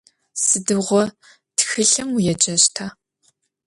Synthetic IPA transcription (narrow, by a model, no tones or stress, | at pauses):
sɨdɨʁʷɔ | txɨɬɐmujɛt͡ʃʼɐɕtʰaː